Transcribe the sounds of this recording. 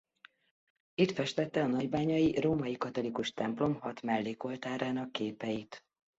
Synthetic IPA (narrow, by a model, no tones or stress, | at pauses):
it̪fɛʃt̪ɛt̪ːɛɒnɒɟbaːɲɒjiroːmɒjikɒt̪o̞likuʃt̪ɛmplo̞mhɒt̪mɛlːeːko̞lt̪aːɾaːnɒkːeːpɛjit̪